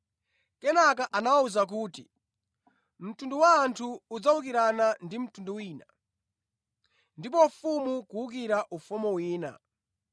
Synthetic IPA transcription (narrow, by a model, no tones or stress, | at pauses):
kɛnakaʔanawauzak̬uːtḭ | m̩tunduwaːntʰuːd͡zawuk̬iɾanandim̩tunduwiːna | ndipɔfumukuuk̬iɾaʔufumɔwiːna̰